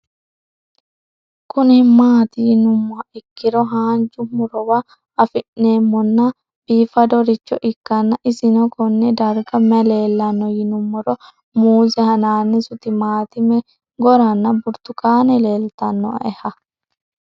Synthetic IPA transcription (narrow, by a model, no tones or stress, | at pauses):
kʊnmaːt̪ɪjɪnʊmːɔɐɪkːɪɾɔɦaːnt͡ʃʊmʊɾɔwɐː | fɪʔneːmːɔnːɐ | b̥iːfɐd̪ɔɾɪt͡ʃːɔʔɪkːɐnːɐʔɪsɪnɔkʰɔnːɛd̪ɐɾɡɐmɛleːlːɐnːɔjɪnʊmːɔɾɔ | muːzɛhɐnaːnːɪsʊt̪ɪmaːt̪ɪmɛ | ɡɔɾɐnːɐbʊɾt̪ʊkaːnɛleːlt̪ɐnːɔ̰ɛhɐ